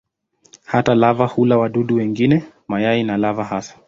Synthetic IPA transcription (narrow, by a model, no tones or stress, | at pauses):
hatalavahulawaɗuɗuwɛŋɡinɛ | majainalavahasḁ